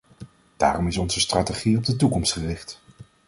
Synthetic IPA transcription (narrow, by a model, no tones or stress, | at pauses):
d̥a̰ːrɔmɪsɔnzəstrateχiɔb̚dətukɔmstχərɪχt